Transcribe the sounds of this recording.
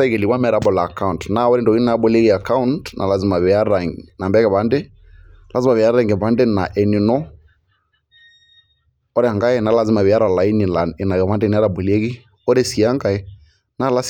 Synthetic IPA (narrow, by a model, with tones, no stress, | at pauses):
a˦i˦kɛ˨li˨kwa˦mɛ˨˦ɾa˨˦bɔ˨laː˨ka˦u˨ntna˦˨ɔ˦ɾɛ˦ndɔ˨ɣi˦na˨˦bo˨le˦ɣi˨a˨ka˦u˦ntnʔa̰˨la˨zi˨ma˨βɛ˨a˦ɾa˨ŋna˨mbɛ˦kɛ˨βa˨˦nde˦ | lʔa˨zima˨βɪ˨a˦ɾa˦˨ŋɡɛ˨ba˦ndɛ˦na˨ʔɛ˨ni˨nɔ˦ | ɔ˦ɾɛ˦a˨ŋɡa˦ɛ˦na˨˦la˨zi˦ma˨βe˨a˦ɾa˨la˨i˦ni˨la˨ɛ˨na˨ɣɛ˨βa˦ndɛ˦˨n˦a˦ɾa˨bo˨li˦e˦ɣi˦ | ɔ˦ɾe˦si˨a˦ŋɡa˨ɛ˦ | na˦la˦s